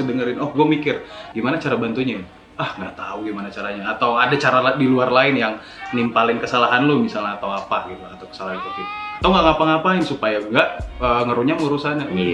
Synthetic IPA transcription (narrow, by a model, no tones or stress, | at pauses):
ədəŋəɾɪnɔhɡuamikɪrɡimanat͡ʃaɾabant̪uɲa | ahŋɡat̪auɡimanat͡ʃaɾaɲaːt̪awadat͡ʃaɾaladiluarlaɪnjaŋ | nimpalɪnkəsalaɦanlomisalɲaːt̪awapaɡit̪uat̪awkə̥salaɦant̪ut̪iat̪awŋɡaŋapaŋapaɪnsupajaŋɡaʔəŋəɾuɲamŋəɾusana